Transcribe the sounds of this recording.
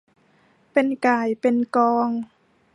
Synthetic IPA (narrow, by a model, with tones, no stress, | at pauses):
pe˧nkaː˨˩jpe˧nkɔː˧ŋ